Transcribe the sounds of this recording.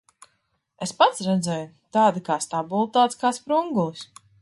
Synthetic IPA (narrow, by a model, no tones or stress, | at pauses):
espat̪sɾɛd̪zɛju | t̪aːd̪ikaːst̪abulˠt̪aːt̪sʲkaːspɾuŋɡulˠis